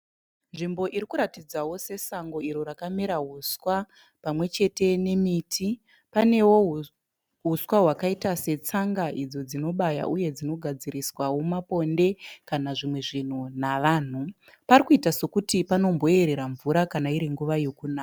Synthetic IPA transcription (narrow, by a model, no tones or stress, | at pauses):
nʐimbo̞ʔiɾikuɾatid͡zawo̞se̞saŋɡo̞iɾo̞ɾakameɾaɦuswa | pamwe̞t͡ʃe̞te̞nemitʰi | pane̞wo̞ | ɦuswaɦwakaitase̞t͡saŋɡaʔid͡zo̞d͡zino̞ɓaja̰ʔuje̞d͡zino̞ɡʱad͡ziɾiswawo̞mapo̞nde̞kanaʐimwe̞ʐin̤unaʋaːn̤u | parikuitaso̞kutipano̞mbo̞e̞ɾe̞ɾaɱvuɾakanaiɾiŋɡuʋajo̞kunaːka